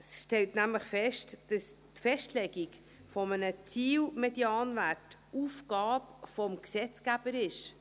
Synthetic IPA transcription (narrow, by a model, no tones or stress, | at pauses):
sʃtɛltnæmləχfɛʃtd̥ɑs | tfɛʃtlɛɡik | fɔmənət͡siːwmɛdiɑːnvætufɡ̥ɑːpfɔmksɛt͡skæb̥əɾɪʃ